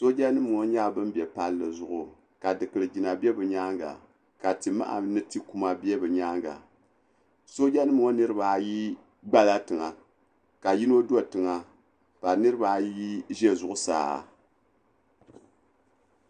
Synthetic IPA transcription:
so˦d͡ʒa˦nɨ˦m˨ŋo˦ɲa˦bɨ˦m˦bɛ˨pa˦lːɨ˨zʊ˨ʔʊ˨ | ka˨dɨ˨kɨ˨ɾɨ˨d͡ʒi˨na˨bɛ˦bɨ˨ɲaː˦ŋɡa̰˨ | ka˨ti˨ma̰˦ʔa̰˨nɨ˦ti˦ku˦ma˦bi˦e˦bɨ˨ɲa˦ŋɡa̰˨ | so˦d͡ʒa˦nːɨ˦m˨ŋo˦nɨ˦ɾɨ˦ba˨ji˦ | ɡ͡ba˦la˦tɨ˨ŋa˨ | ka˨ji˦no˦do˦tɨ˨ŋa˨ | pa˨ɾnɨ˦ɾɨ˦ba˦ji˦ʒɛ˦zʊ˨ʔʊ˦sa̰ː˦˨

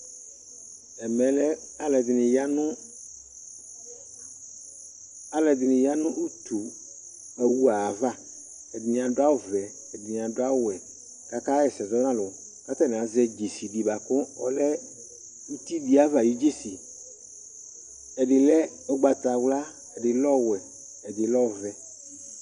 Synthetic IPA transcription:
ɛ˨mɛ̃˨lɛ˦a˦lɛ˨d̪ɪ˨nɪ̃˨ja˦nʊ̃˦ | a˨lɛ˨d̪ɪ˨nɪ̃˨ja˦nʊ̃˦ʔu˦t̪ʰu˨ | ɛ˨wu˦a˨va˦ | ɛ˨dɪ˨nĩ˨ã˨ɖo˦a˦wʊ˦˨vɛ˨ | ɛ˨dɪ˨nĩ˨ã˨do˦a˦wʊ˦wɛ˨ | ka˦ka˦jɛ˨sɛ˨zɔ˦nã˦lɔ˨ | ka˦t̪ɛ˦n˨ã˨zɛ˦d͡ʒe˨si˨di˨ba˨kʊ˦ɔ˨lɛ˦ | u˦t̪i˦di˦a˦va˨ji˦d͡ʒe˦si˨ | ɛ˨ɖɪ˨lɛ˦ | ɔ˦ɡ͡ba˨t̪a˨wla˦ | ɛ˨dɪ˨lɔ˦wɛ˨ | ɛ˨dɪ˨lɔ˦˨vɛ˨

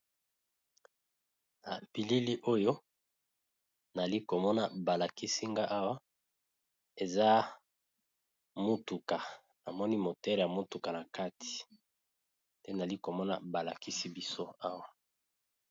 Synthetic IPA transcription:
a̰˨bi˨li˦li˦ʔo˦jo˦ | na˨li˦ko˨mɔ˦na˨ba˨la˨ki˦si˦ŋɡa˦ʔa˦wa˦ | e˨za˦ | mo˦tu˨ka˨ | na˨mɔ˦ni˦mo˨tɛ˦lja˨mo˦tu˨ka˨na˨ka˦tʰi̥˨ | tɛ˦n˨a˨li˦ko˨mɔ˦na̰˨ba˨la˨ki˦si˦bi˦so˦a˦wa˨

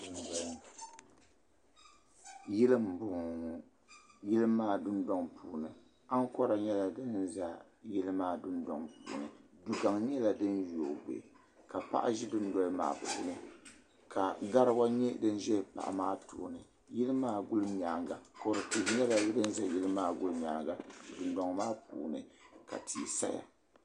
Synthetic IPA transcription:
ʊ˨n˨da˨˦ŋ˨ | jɪ˦lɨ˦m˨bʊ˨ | jɪ˦lɨ˦maː˦˨dʊ˦ndɔ˦ŋpʰuː˨nɨ˨ | a˦ŋ˦kɔ˦ɾa˨ɲɛ˦la˨dɨ˦nza˨ | jɪ˦lɨ˦maː˦˨dʊ˦ndɔ̰˨ŋpṵː˨nɨ˨ | du˨ka˨ŋɲ˦ɛ˦la˨dɨ˦njo˨ɡ͡bḛ˨ | ka˨pa̰˦ʔa̰˦ʒi˦dʊ˦n˦dɔ˦lma̰ː˨pṵː˨˦nɨ˨ | ka˨ɡa˦ɾɨ˦wa˦ɲɛ˦dɨ˦n˦ʒɛ˦pa̰˨ʔa̰˨maː˦tṵ˨nɨ˨ | jɪ˦lɨ˦maː˦ɡʊ˦lɲa˨ŋɡa˨ko˨ɾɨ˨tɨ˨bɲɛ˦la˨˦dɨ˦n˦za˦ji˦lɨ˦maː˦ɡʊ˦lɨ˦ɲa˨ŋɡa˨dʊ˨ndɔ˨ŋmaː˦pṵː˨nɨ̰˨ka̰˨tʰi˨sa̰˦ja̰˨

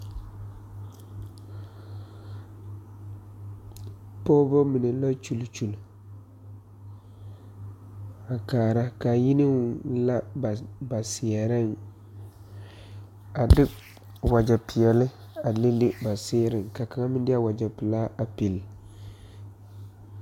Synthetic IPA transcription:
pɔː˦bɔ˦mi˨ne˨la˦t͡ʃu˦lt͡ʃu˨l | a˨kaː˨ɾa˦ka˨ji˦nɪ˦wʊ˦la˦ba˨ba˨sɪ˨ɛ˨ɾɪ˦n | a˨dɪ˦ | wa˨d͡ʒa˨pɪ˨ɛ˨lɪ˦ | a˨le˦lɪ˦ba˨sɪː˦ɾɪ˨ŋka˨ka˨ŋa˦mɪ˦ndɪ˦a˦wa˨d͡ʒa˨pɪ˨laː˦ʔa˨pi˨l

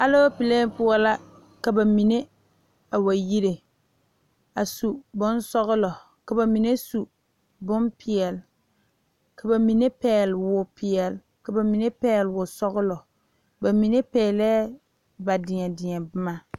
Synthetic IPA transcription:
ha˦lo˦pi˨le˦pʊ˦ɔ˦la˦ | ka˨ba˨mi˨ne˦ | a˨wa˨ji˦ɾe˨ | a˨su˨bʊ˦nsɔ˦ɣʊ˦lɔ˨ | ka˨ba˨mi˨ne˦su˨ | bʊ˦mpʰɪ˨ɛ˨l | ka˨ba˨mi˨ne˦pɛː˦˨lwʊ˨pʰɪ˨ɛ˨l | ka˨ba˨mi˨ne˦pɛː˦˨lwʊ˨sɔ˦ɣʊ˦lɔ˨ | ba˨mi˨ne˦pɛː˨lɛː˦ | ba˨dɪ˨ɲɛ˨dɪ˨ɛ˨bɪ˦ma˦

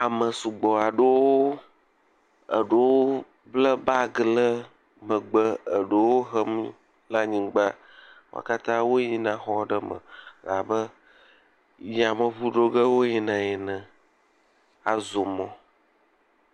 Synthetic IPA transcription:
a˨mə˨su˨ɡ͡bɔ˨a˨ɖə˦wo˦ | ə̰˨ɖə˦wo˦ | blə˦ba˦ɡlə˦ | mə̃˨ɡ͡bə˦ə˨ɖə˨wo˦ɦə˦mi˦ | la˦ɲĩ˨ɡ͡ba˦ | wo̰˦˨a̰˨ka˦t̪ã˦wo˦ɲi˦nã˨xɔ˦ɖə˦mə̰̃˨la˨bə˦ | ji˦a˨mə̃˨βu˦ɖo˦ɡə˦wo˦ɲi˨nã˨ji˨nə̃˨ | a˨zo˨mɔ̃˦

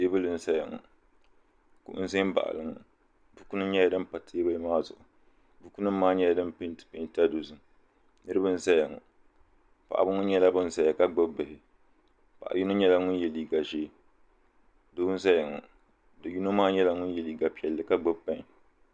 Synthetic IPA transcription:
teː˦bɨ˦lɨ˨n̩˦sa˦jɪ˨ŋɔ̰˨ | kṵ˦ʔʊ̰˦n̩˦ze˦m˦ba̰˨ʔa̰˨lɨ˨ŋɔ̰˨ | bu˦ku˦nɨ˦ɲɛ˦ja˦dɨ˦mpa˨tʰeː˦bɨ˦lɨ˦maː˦zʊ˨ʔʊ˨ | bu˦ku˦nɨ˦maː˦ɲɛ˦ja˨˦dɨ˦mpɨ˦n˦tɨ̥˨pɪ˨n˨ta˦do˨zɨ˨ŋ | nɨ˦ɾɨ˦bɨ˦n̩˦sa˦ja˨ŋɔ̰˨ | pa̰˨ʔa̰˨bɨ˦ŋʊ˦ɲɛ˦la˦bɨ˦n̩˦˨sa˨ja˨ka˦ɡ͡bɨ˦bbɨ˨hɪ˨ | pa̰˨ʔa̰˨ju˦no˦ɲɛ˦la˦ŋʊ˦njɛ˨li˨ɡa˨ʒeː˦ | do˦bʊ˦n̩˦sa˦jɪ˨ŋɔ̰˨ | dɨ˨ju˦no˦maː˦ɲɛ˦la˦ŋʊ˦njɛ˨li˨ɡa˨pi˨ɛ˨lːɨ˨ka˦ɡ͡bɨ˦bpːã˦ŋ˨

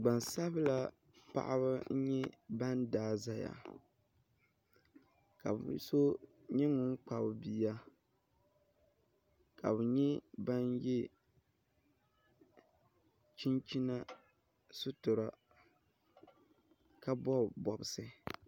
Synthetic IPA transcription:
ɡ͡ba˨nsa˦bla˦ | pa̰˨ʔa̰˦βa˦n̩˦ɲɛ˦ba˦ndaː˦˨za˦ja̰˨ | ka̰˨bso˦ | ɲɛ˦ŋʊ˦n˦k͡pa˨bbiː˦˨ja˦ | ka˨bɨ˨ɲɛ˦ba˦njɛ˦ | t͡ʃi˦nt͡ʃi˦na˦ | sʊ˦tʊ˨ɾa˨ | ka˦bɔ˦bɔ˨bsɨ˦

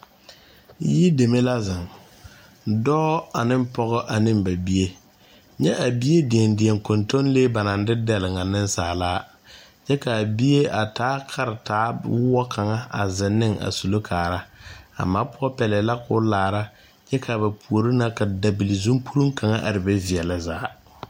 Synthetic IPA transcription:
ji˦de˨me˦la˦zɪ˨ŋ | dɔː˦a˨nɪ˦m˦pɔ˦ɣɔ˦ʔa˨nɪ˦mba˨bi˦e˦ | ɲɛ˦ʔa˨bi˦e˦dɪ˨ɛ˨ndɪ˨ɛ˨ŋkʊ˨nto˦nleː˦ba˨na˨n˦dɪ˦dɛ˨lɪ˨ŋa˨nɪ˦n˦saː˨laː˦ | d͡ʒɛ˦ka˨bi˦je˦a˨tʰaː˦kʰa˦ɾɪ˨taː˨˦wʊ˦ɔ˦kʰa˨ŋa˦a̰˨zɪ˨nːɪ˦ŋa̰˨su˨lo˦kʰaː˨ɾa˦a̰˨maː˦pʊ˦ɔ˦pɛ˨lɛ˨la˦kʊː˦laː˨ɾa˦ | d͡ʒɛ˦kʰa˨ba˨pʰu˨o˨ɾi˦na˦ka˨da˨bi˨lɪ˨zu˦mpʰu˦ɾu˦ŋka˨ŋa˦ʔa˨ɾɪ˨bɛ˦vɪ˨ɛ˨la˨zaː˨˦

